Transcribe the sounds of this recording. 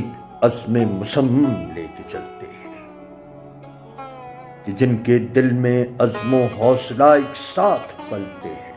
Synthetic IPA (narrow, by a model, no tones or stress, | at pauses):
ɪk | ɐzmẽmʊsəmːɐmleːket͡ʃɐ̰lt̪ḛɦɛ̃ː | kid͡ʒɪnked̪ɪlmẽɐzmõɦɔːslaːɪksaːt̪ʰbɐlt̪ḛɦɛ̃ː